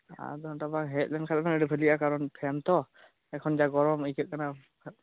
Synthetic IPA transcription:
a̰dɔtabaŋɦɛt̚lɛnkʰalɛbanəɾipʰɯlijakaɹɔnpʰɛmt̪ɔ | ɛkʰɔnzaɡɔɹɔmijkʰɯʔ̚kana

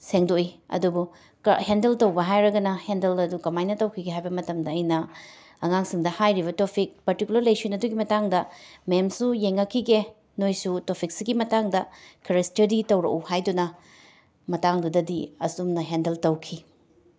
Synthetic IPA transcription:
seŋdoiɐ̰dubu | kɐ̰hendeltɐwbɐɦajɾɐɡɐnɐhendelɐdukɐmajnɐtɐwkʰiɡeɦajbɐmɐtɐmdɐːjnɐ | ɐŋaŋsiŋdɐhajɾiβɐtopʰik̚pɐɾtikulɐɾlɐjsinɐduɡimɐtaŋdɐmemsujeŋːɐkʰːiɡe | nojsutopʰik̚siɡimɐtaŋdɐkʰeɾestɐɾditɐwɾɐ̰kuhajdunɐ | mɐtaŋdudɐdiɐ̰sumnɐɦendeltɐwkʰi

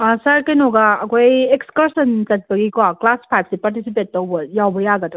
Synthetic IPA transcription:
sɐɾkenoɡaɐkʰojekskɐɾsɐnt͡ʃɐt̚bɐɡikaklaspʰajb̚sipaɾtisip̬et̚ːɐwbɐjawbɐjaɡɐtɐ

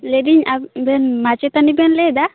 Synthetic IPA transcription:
leɖiɲabɛnmat͡ʃɛt̪anibɛnlɛd̪a

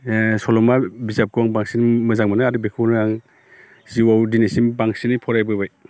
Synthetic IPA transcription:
sɔlɔmabizap̚kuwaŋbaŋsinmɯzaŋmanɯadɯbekʰunɯaŋ | z̥iwawdinesimbaŋsinipʰɔɾajbɯbaj

